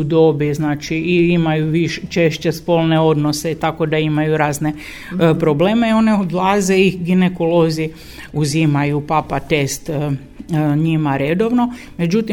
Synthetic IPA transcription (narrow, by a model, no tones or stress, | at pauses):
ud̪o̞biznaːt͡ʃiiimajuʋiʃt͡ʃe̞ʃt͡ɕespo̞lˠneo̞d̪noset̪akod̪aimajuɾaːzne | pɾobleːmeio̞neod̪lˠaːzeiɡine̞kolo̞zi | uzimajupapat̪e̞st̪ | ɲimaɾed̪o̞ʋno̞ | me̞d͡ʒut̪im